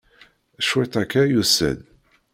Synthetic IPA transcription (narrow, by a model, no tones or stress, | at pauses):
ʃwit̪ˤækːæjusə̰n